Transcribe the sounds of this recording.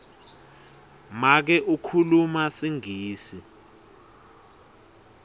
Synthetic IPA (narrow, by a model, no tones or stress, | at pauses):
mak̬ɛʔukʰulumasiŋiːsi